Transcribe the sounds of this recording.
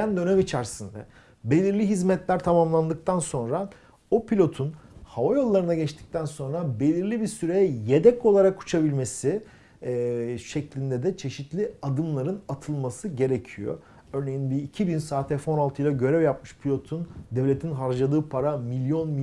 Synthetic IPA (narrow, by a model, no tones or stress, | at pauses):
ænd̪ø̞nɛmit͡ʃʰæɾsind̪ɛ̰ | be̞lʲiɾlʲiɦizmɛt̪lʲæɾt̪ʰamamlˠand̪ɯk̚t̪ʰanso̞nɾa | opʰilʲo̞t̪ʰunhavajo̞lˠːaɾɯnaɟɛt͡ʃt̪ʰi̥c̚t̪ʰænso̞nɾabe̞lʲiɾlʲibiɾsyɾe̞jɛje̞d̪ɛko̞lˠaɾakːu̥t͡ʃʰabilʲme̞si | ʃɛclʲind̪ɛd̪ɛt͡ʃʰe̞ʃit̪lʲiad̪ɯmlˠaɾɯnat̪ʰɯlˠmasɯɟe̞ɾecʰijo̞̰ | øɾne̞jinbiːcʰibinsaːt̪ʰɛfo̞nalˠt̪ʰɯjlˠaɟø̞ɾɛvjap̚mɯʃpʰilʲo̞t̪ʰund̪ɛvlʲe̞t̪ʰinɦaɾd͡ʒad̪ɯːpʰaɾamilʲjo̞nmi